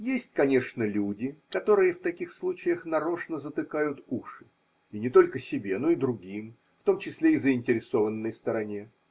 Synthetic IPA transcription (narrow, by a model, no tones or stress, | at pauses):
jesʲtʲkɐnʲe̞ʂnəlʲudʲɪkɐt̪o̞ɾɨjəft̪ɐkʲixslˠut͡ɕɪjəxnɐɾo̞ʂnəzət̪ɨkajʊt̪uʂɨ | inʲɪt̪o̞lʲkəsʲɪbʲe̞no̞ɪd̪ɾʊɡʲim | ft̪o̞mt͡ɕɪsʲlʲeizəɪnʲtʲɪɾʲɪso̞vənːəjst̪əɾɐnʲe̞